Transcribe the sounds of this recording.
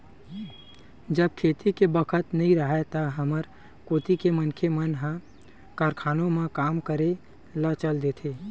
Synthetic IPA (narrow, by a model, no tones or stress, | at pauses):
d͡ʒəb̚kʰeːt̪ikebəkʰət̪nɐɦĩɾəɦet̪əɦəməɾ | koːt̪ikemənkʰemənɦə̃ | kaːɾkʰaːnõmẽkaːmkəɾe | lət͡ʃəld̪eːt̪ʰeː